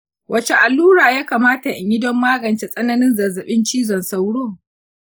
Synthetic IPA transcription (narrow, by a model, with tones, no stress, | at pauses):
wʔɐ˦t͡ʃe˨ʔa˨lːuː˦ɽaː˨jaː˦kaː˨maː˦ta˨ʔɪ˨ɲji˦dɔ˦mːaː˦ɡɐ˨nt͡ʃe˨sʼɐ˦nɐ˦nɪ˦nzɐ˨zɐ˨ɓɪ˦nt͡ʃiː˦zɔ˨nsa˦wɽoː˦